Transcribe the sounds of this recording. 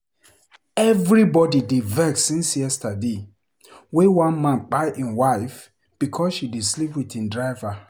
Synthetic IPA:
ɛvɹibɔdidevɛkssĩnsjɛstade | wewãnmãnk͡paɪʔĩnwaɪf | b̥ikʰɔsʃididslipwiθĩndɹaɪva

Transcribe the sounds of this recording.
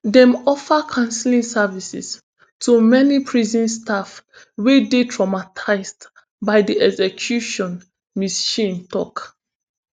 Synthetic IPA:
dɛ̃mɔfəkʰãnsilĩŋsavisḭs | tʰumɛnipʰɹizĩnstʰaf | wedetʰɹɔmatʰaɪsd | baɪdiʔɛɡzɛkʰjuʃɔ̃n | misʃĩntɔk

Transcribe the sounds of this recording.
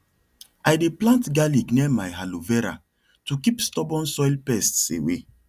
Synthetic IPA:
ajdeplãntɡaliɡnɛmajɦaluvɛɾa̰ | tukipstɔbɔ̃nsɔjlpɛstsḛwḛ

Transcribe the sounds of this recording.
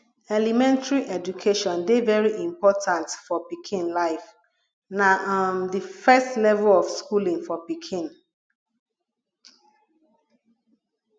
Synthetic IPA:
ɛlimɛ̃ntɹiʔɛd͡ʒukʰeʃɔ̃ndevɛɹiʔĩmpɔtʰãntfɔpikʰĩnlaɪf | naʔamdifɛstlɛvlɔfskulĩŋfɔpikʰĩn

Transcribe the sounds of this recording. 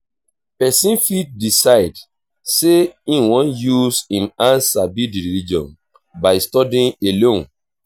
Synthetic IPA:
pɛsĩnfit̚disaɪd | seĩnwɔ̃njusĩnãnsabidɹilid͡ʒɔ̰̃n | baɪstɔdĩnelõn

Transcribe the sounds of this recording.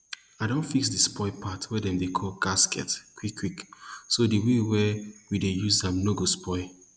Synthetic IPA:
aɪdõnfiksdispɔɪpʰatwɛdɛ̃mdekʰɔlɡaskɛ̰tkʰwikʰːwiksodiwewɛwidejuzdɛ̃mloɡospɔɪ

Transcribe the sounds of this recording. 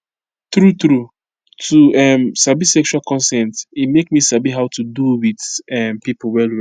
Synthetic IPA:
tɹut̪ɹu | tʰuɛmsabisɛkt͡ʃualkɔ̃nsɛ̃ntimekmisabiɦaʊtuduwidɛmpipowɛlwɛ

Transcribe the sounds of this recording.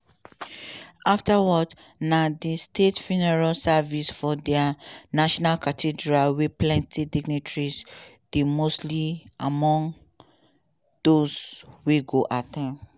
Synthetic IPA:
aftawɔd | nadistetfunɛɹalsavisfɔdɛanaʃɔnalkatʰidɹalwiplɛ̃ntʰidiɡnitɹis | d̥emostliamɔ̃ŋ | d̥oswiɡoʔatʰãm

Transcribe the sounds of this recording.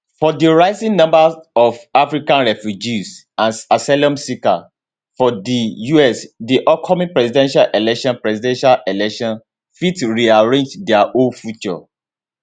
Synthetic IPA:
fɔdiɹaɪsĩŋnɔ̃mbaɔvafɹikãnɹɛfjud͡ʒis | ãnsasalɔ̃msika̰ | fɔdijuɛsdiʔɔkʰːɔmĩŋpɹɛsidɛ̃nʃalʔɛlɛkʃɔ̃npɹɛsidɛ̃nʃalɛlɛkʃɔ̃n | fitɹiaɹẽnd͡ʒdɛaʔõnfjut͡ʃɔ̰

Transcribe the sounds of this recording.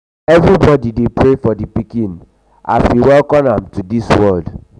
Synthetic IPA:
ɛvɹibɔdidepɹefɔdipikĩn | ʔa̰fiwɛlkɔ̃mãmtudiswɔld

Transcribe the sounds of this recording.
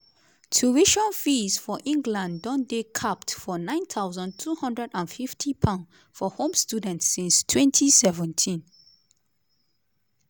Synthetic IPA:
tʰuiʃɔ̃nfisfɔʔĩŋɡlãndɔ̃ndekʰaptfɔnãɪ̃nθʰaʊzɔ̃ntʰuhʌ̃ndɹɛdãnfiftʰipʰãʊ̃n | fɔhõmstjudɛ̃ntsĩnstʰwɛ̃ntʰisɛvɛ̃ntʰĩn

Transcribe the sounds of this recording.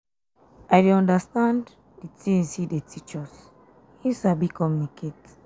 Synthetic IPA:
ajdeãndəstãn | ditĩnsidetʰit͡ʃəs | hisabikʰɔmnikʰet

